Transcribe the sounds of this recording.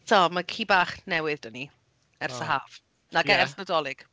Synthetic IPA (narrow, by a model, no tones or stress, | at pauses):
tʰɔmakʰiːbaːχnɛwɪðd̥əni | ɛrsəɦaːv | naɡɛɛrsnədɔlˠɪɡ̥